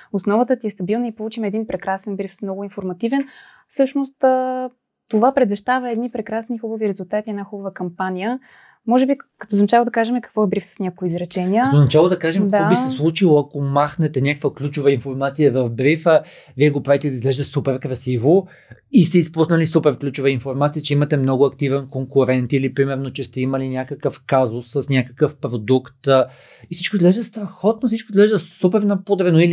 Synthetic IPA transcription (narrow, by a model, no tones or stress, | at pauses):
osnɔvət̪ət̪iɛst̪ɐbilˠnəipolˠut͡ʃimɛd̪inpɾɛkɾasɛnbɾifsmnɔɡʊinfoɾmɐt̪ivɛn | fsɤʃnost̪ə | t̪ovapɾɛd̪vɛʃt̪avəɛd̪nipɾɛkɾasnixubɐviɾɛzulˠt̪at̪iɛd̪naxubəvəkɐmpanʲijə | mɔʒɛbikɐ̥t̪oznɐt͡ʃalˠod̪ɐkaʒɛmɛkɐkvɔɛbɾifsə̥snʲakoizɾɛt͡ʃɛnʲiək̪oznɐt͡ʃalˠod̪ɐkaʒɛmkd̪kabiɛslˠut͡ʃilˠoɐkomaxnɛt̪ɛnʲakəkvəklʲut͡ʃovəinfoɾmat̪sijəvɐvbɾifə | viɛɡopɾavit̪ɛd̪ɐizɡlɛʒd̪ɛsupɛɾkɾɐsivo | ist̪ɛispusnɐlisupɛɾklʲut͡ʃʊvəinfoɾmat̪sijət͡ʃɛimɐt̪ɛmnɔɡʊɐkt̪ivɛnkoŋkʊɾɛnt̪ilipɾimɛɾnot͡ʃɛst̪ɛimɐlinʲjakəkəfkazʊsːəsnʲakə̥kəfpɾod̪ukt̪ | isit͡ʃkoizɡlɛʒd̪əst̪ɾɐxɔt̪nosit͡ʃkoizɡlɛʒd̪əsupɛɾnɐpod̪ɾɛnoili